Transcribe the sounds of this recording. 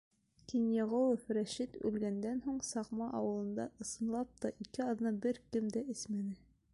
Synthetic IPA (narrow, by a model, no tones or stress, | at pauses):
kinjɑʁow̪ˠofɾæʃit̪ʉ̰lɡænd̪ænɦuɴsɑqmɑʔɑwɤ̆lˠɤ̆nd̪ɑʔɤ̆sɤ̆nlˠɑp̚t̪ɑʔikɘɑðnɑbɘɾkɘmd̪æɘsmænɘ